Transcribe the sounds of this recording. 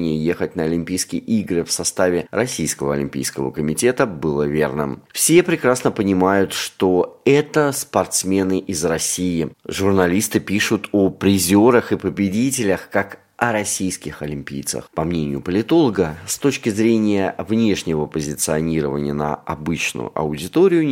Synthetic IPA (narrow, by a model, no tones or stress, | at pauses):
nʲɪjəje̞xətʲnəɐlʲɪmʲpʲijskʲɪjʔiɡɾɨfsɐst̪avʲɪrɐsʲijskəvəɐ̰lʲɪ̰mʲpʲḭjskəvə̰kəmʲɪtʲe̞t̪əbɨlˠəvʲe̞̰rnɨ̰mfsʲepɾʲɪkɾasnəpənʲɪmajʊt̪ʂt̪o̞ɛt̪əspɐrt̪smʲe̞nɨʔɪzrɐsʲijɪʐʊrnɐlʲist̪ɨpʲiʂʊt̪ʰopɾʲɪzʲo̞ɾəxɨpəbʲɪdʲitʲɪlʲəxkak | ɐɾɐsʲijskʲɪxɐlʲɪmʲpʲḭjt̪sə̰xpɐmnʲenʲɪjʊpəlʲɪt̪o̞lˠəɡəst̪o̞t͡ɕkʲɪzɾʲenʲɪjəvnʲe̞ʂnʲɪvəpəzʲɪt̪sɨɐnʲiɾəvənʲɪjənə̰ɐ̰bɨt͡ɕnʊ̰ʊ̰ʔɐ̰ʊdʲɪt̪oɾʲɪjʊ